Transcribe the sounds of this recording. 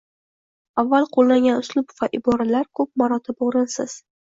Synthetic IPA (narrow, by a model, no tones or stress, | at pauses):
avːalˠqʰolˠːaŋɡʲanʊslˠʊbvaʔɪbɒɾalaɾkʰɵp̚maɾɒt̪ʰɪboɾɪnsɪz̥